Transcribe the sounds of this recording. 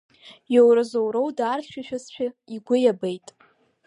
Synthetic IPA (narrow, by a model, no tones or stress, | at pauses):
jowɾɨzowɾowdaːrʃʷᶣaʃᶣast͡ʃʷᶣaiɡʷʊjabejtʼ